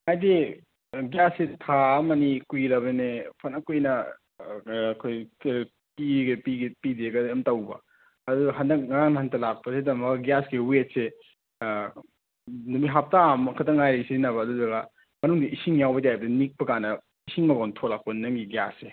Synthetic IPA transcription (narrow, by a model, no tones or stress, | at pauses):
majde | ɡjasːetʰamɐnikuiɾɐβenepʰɐnɐkojnɐ | kʰoj | piɡepiɡepideɡɐɐmtɐwbɐ̰ | ɐduɡɐɦɐndɐk̚ŋɐɾaŋnɐɦɐntɐlak̚pɐsedɐmɐɡɐɡijasɡiwet̚se | numiɦap̚tamɐkʰɐtʰɐŋajɾɐsiinɐβɐːdudɐɡɐ | mɐnuŋdiʔisiŋjawbɐtjajbɐdinik̚pɐkanɐ | isiŋmɐkawntʰoklak̚ponːɐŋɡiɡija̰sːe